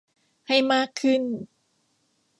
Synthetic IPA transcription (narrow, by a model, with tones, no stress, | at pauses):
ha˥˩jmaː˥˩kʰːɯ˥˩n